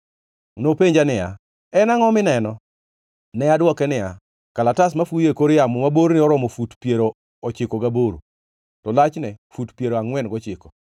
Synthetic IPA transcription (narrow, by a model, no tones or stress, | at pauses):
nopeɲd͡ʒanɪja̰ | ɛnaŋɔmɪnɛnɔ | nɛadwɔkɛnɪa̰ | kalatasmafujekoɾɪjamʊmaboɾnɪɔɾɔmɔfutpjeɾo | ɔt͡ʃɪkɔɡaboɾu | tɔlat͡ʃnɛfutpjeɾoaŋwɛnɡɔt͡ʃɪkɔ